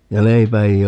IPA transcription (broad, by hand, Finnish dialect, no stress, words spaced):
jɑ leipæ ei